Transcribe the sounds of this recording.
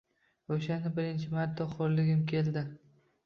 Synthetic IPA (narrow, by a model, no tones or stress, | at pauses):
oʃanɪbɪɾɪnt͡ʃʰɪmat̪ʰːɒχʰoɾlɪɡʲɪmkʲʰe̞ld̪ɪ